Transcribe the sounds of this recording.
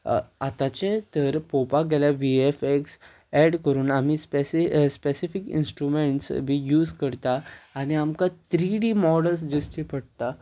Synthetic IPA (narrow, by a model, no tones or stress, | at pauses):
at̪ãt͡ɕet̪əɾpopaɡʱɛljaʋiefeks | ɛɽkəɾuːnam̤ispeispesifikḭnsʈɾumeɳʈsbʱiːjuːd͡zkəɾt̪aːɽ̃iamkat̪ɾiɽimɔɽəls̬d͡ʑəsʈ̪ipəɽt̪a